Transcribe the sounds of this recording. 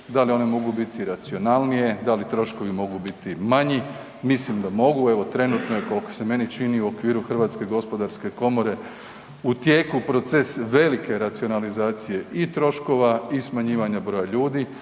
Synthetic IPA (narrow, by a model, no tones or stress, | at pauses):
d̪alio̞ne̞mo̞ɡubit̪iɾat̪sio̞nalˠnije̞d̪alit̪ɾo̞ʃko̞ʋimo̞ɡubit̪imaɲi | mislimd̪amo̞ɡueʋo̞t̪ɾe̞nuːt̪nojeko̞lko̥se̞me̞nit͡ʃiniuo̞kʋiːɾuxr̩ʋaːt̪ske̞ɡo̞spo̞d̪aɾske̞ko̞mo̞ɾe̞ | ut̪je̞ːkupɾo̞t̪se̞sʋe̞like̞ɾat̪sio̞nalizaːt̪sije̞ʔit̪ɾo̞ʃko̞ʋaismaɲiːʋaɲabɾo̞jaʎuːd̪i